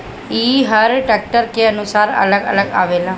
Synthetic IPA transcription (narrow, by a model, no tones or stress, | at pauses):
iːɦəɾʈɛːk̚ʈəɾkeənʊsaːɾə̰ləɡə̰ləɡa̰ːʋeːlaː